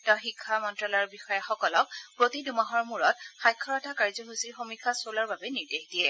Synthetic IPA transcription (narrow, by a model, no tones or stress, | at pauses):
tɔxikʰːamɔntɹalɔɹbixɔjaxɔkɔlɔk̚pɹotidumaɦɔɹmuɹɔt̚xajkʰːɔɹɔtakaɹzɔɦusiɹxomikʰːasolaɹbabɛniɹdexdijɛ